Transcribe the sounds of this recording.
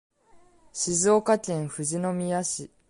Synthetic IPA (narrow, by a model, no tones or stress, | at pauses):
ɕizoːkakʲẽɰ̃ɸɯ̟ʑino̞mʲiaɕi